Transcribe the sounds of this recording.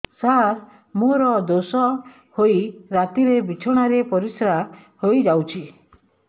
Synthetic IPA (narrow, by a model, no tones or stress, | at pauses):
saɾ | moɾɔd̪osɔ | hoiɾat̪iɾebit͡ʃʰɔɽ̃aɾepɔɾisɾa | hojd͡ʒawt͡ʃʰi